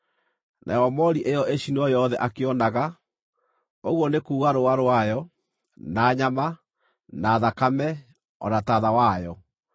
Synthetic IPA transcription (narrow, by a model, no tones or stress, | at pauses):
nʔa̰jɔmɔɾiʔejɔʔeʃineɔjɔðɛʔakeɔnaɣa | oɣwɔnekuːɣaɾoaɾoajɔ | naːɲama | naːðakamɛ | ɔ̰nataðawajɔ